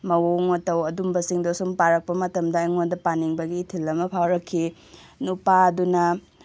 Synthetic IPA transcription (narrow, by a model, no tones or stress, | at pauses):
mɐwoŋotɐwɐdumbɐsiŋdosumpaɾɐk̚pɐmɐtɐmdɐɐŋondɐpaniŋbɐɡiːtʰilːɐmɐpʰawɾɐkʰːi | nupadunɐ